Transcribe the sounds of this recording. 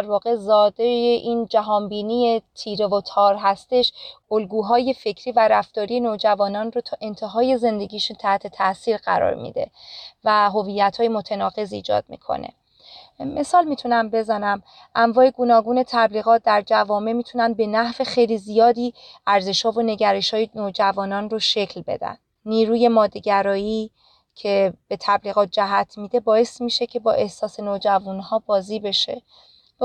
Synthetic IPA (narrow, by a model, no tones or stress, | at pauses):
æɾvɒːɣe̞zɒːd̪ejeʔiːnd͡ʒæɦɒːnbiːnie̞t̪ʰiːɾevot̪ʰɒːɾɦæst̪e̞ʃolɡuːɦɒːje̞fe̞cʰɾiːvæɾæft̪ɒːɾije̞noːd͡ʒævɒːnɒːnrot̪ʰɒːʔe̞nt̪ʰe̞ɦɒːje̞ze̞nd̪e̞ɡiːʃunt̪ʰæht̪ʰe̞t̪ʰæsiːɾɢæ̰ɾɒ̰ːɾmḭːd̪e̞̰væɦo̞viːjːæt̪hɒːje̞mo̞t̪ʰenɒːɣe̞zḭːd͡ʒɒ̰d̪̥̚mḭːkʰo̰nḛ | mʔe̞sɒːlmiːt̪ʰunæmbe̞zænæm | ʔæɱvɒːje̞ɡonɒːɡuːne̞t̪ʰæbliːɣɒːt̪̚d̪æɾd͡ʒævɒːme̞miːt̪ʰunænd̪̚be̞næhve̞xejlizijɒːd̪iːæɾze̞ʃhɒːvone̞ɟæɾeʃhɒːjenoːd͡ʒævɒːnɒːnroʃe̞cʰlbḛd̪æ̰nd̪̥ | niːɾuːje̞mɒːd̪ːeɟæɾɒːjiː | cʰe̞b̥e̞t̪ʰæbliːɣɒːt̪̚ʰd͡ʒæɦæt̪ʰmiːd̪e̞bɒːe̞st̪miːʃe̞cʰe̞bɒ̰ːʔe̞hsɒːse̞nod͡ʒævunhɒːbɒːziːbe̞ʃe̞̰